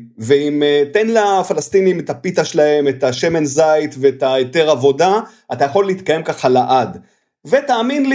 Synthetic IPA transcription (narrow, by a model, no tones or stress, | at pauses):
veimete̞nlafalast̪inimetapit̪aʃelahe̞metaʃe̞menzajtveːtaete̞ʁavo̞da | ʔatajaχo̞lːeit̪kaje̞mkaχalaʔad | ve̞taːminl